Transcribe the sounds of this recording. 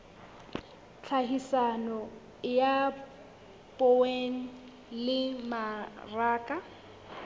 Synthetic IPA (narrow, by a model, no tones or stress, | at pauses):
t͡ɬʰaɦisanɔ | ja | pʼoweŋ̩ | lɪmaraːkʼa